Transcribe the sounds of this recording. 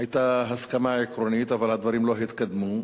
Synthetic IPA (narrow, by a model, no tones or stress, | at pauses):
ajt̪aɦaskamaʕelekɾoniːt̪avalhad̪vɑɾiːmloɦajɪt̪kad̪ːmu